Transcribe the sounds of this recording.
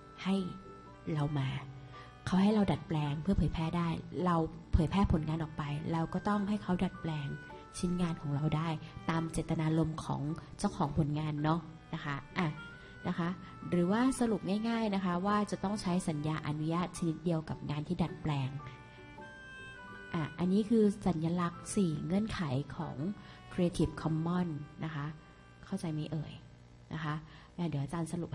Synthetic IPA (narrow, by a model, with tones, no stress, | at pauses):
ha˥˩j | ɾa˧wmaː˧ | kʰa˦˥wɦa˥˩jɾa˧wda˨˩t̪̚plɛː˧ŋpʰɯ˥˩ɐpʰɤː˩˦jpʰɾɛː˥˩daː˥˩jɾa˧wpʰɤː˩˦jpʰɛː˥˩pʰo˩˦nŋaː˧nʔɔː˨˩k̚pa˧jɾɛ˧wkɔː˥˩t̪ɔ˥˩ŋɦa˥˩jkʰa˦˥wda˨˩t̪̚plɛː˧ŋ | t͡ɕʰi˦˥nŋaː˧nkʰɔː˩˦ŋɾa˧wdaː˥˩jt̪aː˧mt͡ɕe˨˩t̪ːa˧naː˧lo˧mkʰɔ̰ː˩˦ŋt͡ɕa˥˩wkʰɔː˩˦ŋpʰo˨˩˦nŋaː˧nːɔ˦˥ | na˦˥kʰa˦˥ʔa˧˩ | na˦˥kʰa˦˥ʔ | ɾɯː˩˦waː˥˩sa˧ɾu˨˩p̚ŋaː˥˩jŋaː˥˩jna˦˥kʰa˦˥waː˥˩t͡ɕa˨˩t̪ɔ˥˩ŋt͡ɕʰa˦˥jsa˩˦njaː˧ʔa˧nu˦˥jaː˥˩t̪̚t͡ɕʰa˧ni˦˥t̪̚di˧əwka˨˩p̚ŋaː˧nt̪ʰiː˥da˨˩t̪̚plɛː˧ŋ | ʔa˧˩ʔa˧nːiː˦˥kʰɯː˧sa˩˦njaː˧la˦˥k̚siː˨˩ŋɤ˧˩ənkʰa˨˩˦jkʰɔ̰ː˩˦ŋkʰɾe˧t̪ʰi˨˩p̚kʰɔ˧mːɔ˥˩nːʔa˦˥kʰa˦˥ | kʰa˥˩wt͡ɕa˧jma˥˩jʔɤ̰ː˨˩j | na̰˦˥kʰa˦˥ | ʔa˧˩di˨˩˦ʔa˧˩t͡ɕaː˧nsa˧ɾu˨˩p̚